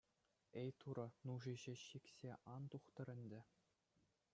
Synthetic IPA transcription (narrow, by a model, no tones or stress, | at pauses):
ejt̪uɾɤ̆nuʐiʑɘ̆ɕikʲsʲeʔɑnt̪uχt̪ɤ̆ɾʲɘ̆nʲdʲɘ̆